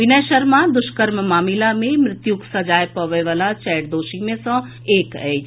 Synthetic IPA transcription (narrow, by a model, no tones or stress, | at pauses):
ʋɪnɛːʃəɾmad̪ʊʃkəɾmmaːmɪlamẽmɾɪt̪juksɐd͡ʒaːjpɐʋəjʋalat͡ʃɛːʈd̪oːʃimẽsɔ̃ | eːkɛː